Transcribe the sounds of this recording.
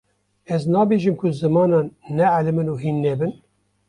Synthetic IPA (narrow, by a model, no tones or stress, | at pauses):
ɛznɑːbeːʒimkʰʊzɨmɑːnɑːnːɛʕalɨmɨnuːɦiːnːɛbɨn